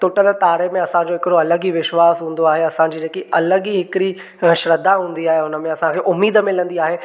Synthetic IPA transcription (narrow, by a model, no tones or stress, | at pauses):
t̪ʊʈəlt̪aːɾemẽɐsãd͡ʑoːɪkɪɾoɐləɡiʋɪʃwaːsɦũːn̆d̪oaːɦeɐsãd͡ʑiːd͡ʑeːkiʔɐləɡiɦɪkɪɽi | ʃɾəd̪aɦũːn̆d̪iaːɦeʊnəmẽɐsãkʰeːʔʊmːiːd̪əmɪ̃lə̃nd̪iaːɦeː